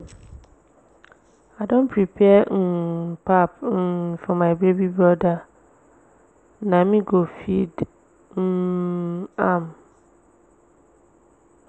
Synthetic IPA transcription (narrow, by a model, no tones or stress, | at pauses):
adõnpʰɾipʰɛn̩pʰapn̩fɔmãbebibɔda | nãmĩɡofid | n̩ | ãm